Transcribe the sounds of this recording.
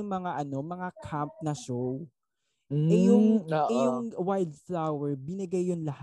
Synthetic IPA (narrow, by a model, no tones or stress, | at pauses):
ʊŋmɐŋaʔɐno̞mɐŋakʰamp̚nɐʃow | ɛjʊŋoʔɛjʊŋwajld̪̚flawɛɹbɪnɐɡajːonlɐh